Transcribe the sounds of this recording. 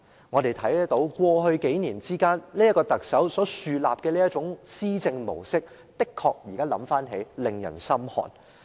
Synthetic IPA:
ŋɔː˨˧t̪e˨jt̪ʰɐ˨˥jt̪o˨˧˥wkʷwɔː˧ɦɵ˧ɥke˨˥jniː˨˩nt͡siː˥kaː˥nliː˥jɐ˥tkɔː˧t̪ɐ˨k̚sɐ˨˥wsɔː˨˥syː˨la̰ː˨p̚kɛː˧liː˥jɐ˥t̚t͡sʊ˨˥ŋsiː˥t͡sɪ˧ŋmo̰˨˩wsɪ˥k̚ | t̪ɪ˥kʰːɔː˧k̚jiː˨˩kaː˥lɐ˨˥mfaː˥nɦe˨˥jlɪ˨ŋjɐ̰˨˩nsɐ˥mhɔ̰ː˨˩n

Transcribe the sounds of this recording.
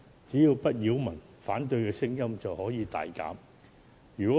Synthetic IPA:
t͡siː˨˥jiː˧wpɐ˥t̚jiː˨˥wmɐ˨˩n | faː˨˥nt̪ɵ˧ɥkɛː˧sɪ˥ŋjɐ˥mt͡sɐ˨whɔː˨˥jiː˨˧t̪a̰ː˨jka̰ː˨˥m | jyː˨˩kɔː˨˦˥

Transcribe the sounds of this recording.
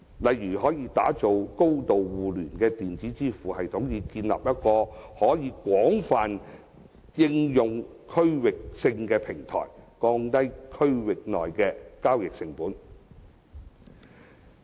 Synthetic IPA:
lɐ˨jjyː˨˩ɦɔː˨˥jiː˧t̪aː˨˥t͡so˨wko˥wt̪o˨wwuː˨lyː˨˩nkɛː˧t̪iː˨nt͡siː˨˥t͡siː˥fuː˨˩hɐ˨jt̪ʰʊ˨˥ŋjiː˧kiː˧nlɐ̰˨p̚jɐ˥t̚kɔː˧hɔː˨˥jiː˨˧kʷɔː˨˥ŋfaː˨n | jɪ˧ŋjʊ˨ŋ | kʰɵ˥ɥwɪ˨k̚sɪ˧ŋkɛː˧pʰɪ˨˩ŋt̪ʰɔ̰ː˨˩jkɔː˧ŋt̪ɐ˥jkʰɵ˥ɥwɪ˨k̚nɔ̰ː˨jkɛː˧kaː˥wjɪ˨k̚sɪ˨ŋpuː˨˥n

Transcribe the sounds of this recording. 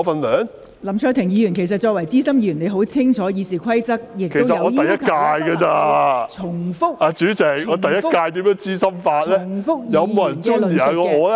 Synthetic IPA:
fɐ˧nlœː˨˥ŋ | lɐ˨˩mt͡ʃʰœː˧k̚t̪ʰɪ˨˩ŋjiː˨˧jyː˨˩nkʰe˨˩js̬ɐ˨t̚t͡ʃɔː˧k̚wɐ˨˩jt͡siː˥sɐ˥mjiː˨˧jy˨˩ne˨˧ɦo˨˥wt͡sʰɪ˥ŋt͡ʃʰɔː˨˥jiː˨˧siː˨˩kʰwɐ˥jt͡sɐ˥k̚jɪ˨kʰe˨˩˥wsɐ˨jɐ˨ŋɔː˨˧t̪ɐ˨jɐ˥t̚kaː˧jɡɐ˧t͡saː˧t͡sʰʊ˨˩ŋfʊ˥k̚ʔaː˨˧t͡ʃyː˨˥t͡sɪ˨˩k̚ɔː˨˧t̪ɐ˨jɐ˥tkaː˧jt̪iː˨˥mjœː˨˥ŋt͡siː˥sɐ˥mfaː˧t̚lɛː˥˨ŋfʊ˥k̚jɐ˨˧wmoː˨˧jɐ˨˩nt͡sɔː˥˧iː˨a˨˩kɔː˧ŋɔː˨˧lɛ˦

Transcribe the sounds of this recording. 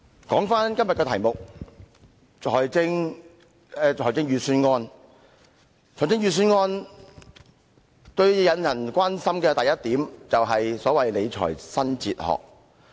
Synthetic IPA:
kɔː˨˥ŋfaː˥nkɐ˥mjɐ˨t̚kɛː˧t̪ʰɐ˨˩jmʊ˨k̚ | t͡ʃʰɔː˨˩jt͡sɪ˥ŋ | ɛ˧t͡ʃʰɔː˨˩t͡sɪ˥ŋjyː˨˧syː˥nŋɔː˧˥n | t͡ʃʰɔː˨˩jt͡sɪ˥ŋjyː˨˧s̬yː˥nŋɔː˥n | t̪ɵ˧ɥjɐ˨˧njɐ˨˩nkʷaː˥nsɐ˥mkɛː˧t̪ɐ˨jɐ˥t̚t̪iː˨˥mt͡sɐ˨wɦɐ˨jsɔː˨˥wɐ˨jle˨˧jt͡ʃʰɔ̰ː˨˩jsɐ˥nt͡sḭː˧t̚hɔ̰ː˨k̚

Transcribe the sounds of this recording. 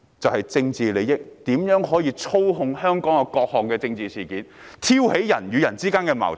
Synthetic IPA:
t͡sɐ˨whɐ˨jt͡sɪ˧ŋt͡siː˨le˨˧jjɪ˥k̚t̪iː˨˥mjœː˨˥ŋɦɔː˨˥jiː˧t͡sʰo˥wɦʊ˧ŋhœː˥ŋkɔː˨˥ŋɐ˧kɔː˧k̚hɔː˨ŋkɛː˧t͡sɪ˧ŋt͡siː˨siː˨˩kiː˨˥n | t̪ʰiː˥whe˨˥jjɐ˨˩nɥyː˨˧jɐ˨˩nt͡siː˥kaː˥nkɛː˧ma̰ː˨˩w

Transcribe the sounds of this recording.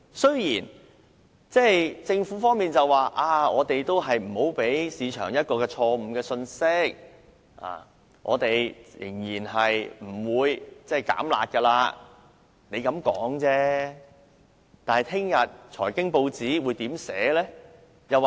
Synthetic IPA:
sɵ˥ɥjiː˨˩n | t͡sɛː˥˩jt͡sɪ˧ŋfuː˨˥fɔː˥ŋmiː˨˩nt͡sɐ˨waː˨ʔaː˧˩ŋɔː˨˧t̪e˨jt̪o˥wɦɐ˨jm̩˨˩ho˨˥wpe˨˥jsiː˨˧t͡ʃʰœ̰ː˨˩ŋjɐ˥t̚kɔː˧kɛː˧t͡ʃʰɔː˧m̩ː˧kɛː˧sɵ˧nsɪ˥k̚ | ʔa̰ː˨˩ | ŋʔɔ̰˨˧t̪e˨jjɪ̰˨˩ŋjiː˨˩nɦɐ˨jm̩˨˩wuː˨˧jt͡sɛː˥˩jka̰ː˨˥mla̰ː˨t̚kɛ˧laː˧ | ne˨˧jkɐ˨˧˥mkɔ̰ː˨˥ŋt͡sɛː˥ | t̪aː˨nhɐ˨jt̪ʰɪ˥ŋjɐ˨t̚t͡ʃʰɔ̰ː˨˩jkɪ˥ŋpo˧wt͡siː˨˥wuː˨˧jt̪iː˨˥msɛː˨˥lɛː˥ | jɐ˨w

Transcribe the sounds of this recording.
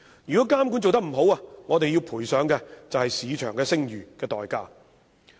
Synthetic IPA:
jyː˨˩kɔː˨˥kaː˥mku˨˥nt͡so˨wt̪ɐ˥k̚m̩˨˩ɦo˨˥waː˧ŋɔː˨˧t̪e˨jiː˧wpʰuː˨˩jsœː˨˥ŋkɛː˧t͡sɐ˨whɐ˨jsiː˨˧t͡ʃʰœː˨˩ŋkɛː˧sɪ˥ŋjyː˨˩kɛː˧t̪ɔ̰ː˨jkaː˧

